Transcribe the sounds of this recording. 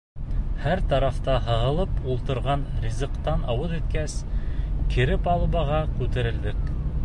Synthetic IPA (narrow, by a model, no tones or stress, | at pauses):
hæɾt̪ɑɾɑft̪ɑɦɤ̆ʁɤ̆lˠɤpulˠt̪ɤ̆ɾʁɑnɾʲizɤ̆qt̪ɑnɑwɤðit̪kæskʰɘ̆ɾɘpɑlˠβɑʁɑkʉt̪ɘ̆ɾɘ̆ld̪ɘk